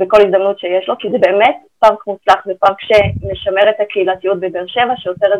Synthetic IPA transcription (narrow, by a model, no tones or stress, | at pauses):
beko̞lizd̪amnutʃejeʃlo̞kizebeːmet | paŋkmut͡slaχvepamkʃeneʃame̞ʁetakeilatijut̚bebeʁʃe̞vaʃeot͡seʁe